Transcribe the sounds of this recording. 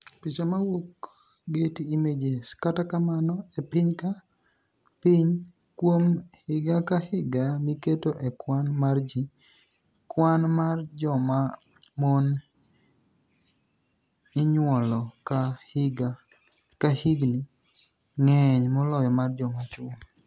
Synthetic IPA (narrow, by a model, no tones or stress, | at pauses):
pit͡ʃamawok | ɡetiːmed͡ʒeskatakamanɔepiɲka | piɲ | kwomhɪɡakahɪɡamiketoʔekwanmard͡ʒi | kwanmard͡ʒɔma | mon | iɲwɔlɔkaɡa | kahiɡni | ŋɛɲmɔlɔjɔmard͡ʒɔmat͡ʃʊ